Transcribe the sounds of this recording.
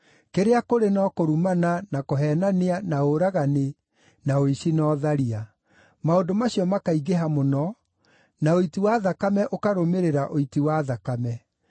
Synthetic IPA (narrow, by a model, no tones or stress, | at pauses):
keɾeakoɾenɔkoɾumananakoɦɛnaneanaoɾaɣane | naoiɕinɔːðaɾia | maodomaɕiɔmakaiɣeɦamonɔ | naoitiwaðakamɛʔokaɾomeɾeɾaʔoitiwaðakamɛ